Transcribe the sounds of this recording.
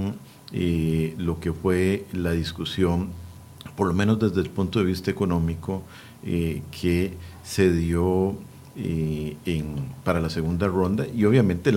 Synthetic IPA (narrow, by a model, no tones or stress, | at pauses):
ŋ | eloke̞fwe̞laðiskusjoŋ | poɾlo̞menozd̪e̞zd̪e̞elpunt̪o̞ðe̞βist̪aeko̞nõ̞miko | ekʰe | se̞ðjo | eeŋpaɾalaseɣund̪arõ̞nd̪aʔio̞βjamẽnt̪el